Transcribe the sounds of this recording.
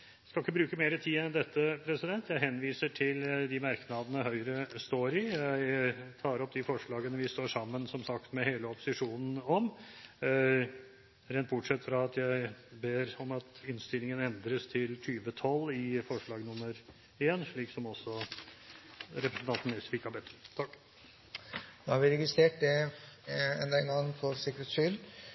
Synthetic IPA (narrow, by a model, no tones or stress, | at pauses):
skɑlɪkːəbɾʉːkəmeːɾət̪ʰiːɛnd̪ɛt̪ːəpʰɾɛsɪd̪ɛnt̪jæɪɦɛnʋiːsəʈʰɪld̪ɪmɑɾknɑd̪ənəɦœʏɾəst̪oːɾɪjæɪt̪ʰɑːɾɔp̚d̪ɪfɔʂɭɑːɡənəʋɪst̪oːʂɑmːənsɔmsɑkt̪mɛheːləɔpʊ̥sɪʂuːnn̩ɔm | ɾɛːnt̪̚bʊʈʂɛt̪ːfɾɑɑt̪jæɪbeːɾɔmɑt̪ɪnst̪ɪlɪŋənɛnd̪ɾəst̪ʰɪlt̪ʰyːʋət̪ʰɔlːɪfɔʂɭɑːɡnʊmːəɾ | eːnʂɭiːksɔmɔsːɔ | ɾɛpɾəsn̩t̪ɑnt̪n̩ɛsfɪkɑbɛt̪ːət̪ʰɑkː | nohɑɾʋɪɾɛɡɪst̪ɾeːʈ̚d̪ɛ | ɛ̰nd̪ɑɛnɡɑŋːfɔɾsɪkəɾeːt̪sʏl